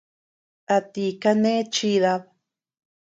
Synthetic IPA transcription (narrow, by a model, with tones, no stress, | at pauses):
a˧t̪i˧ka˦nẽ˦t͡ʃi˦ða˧β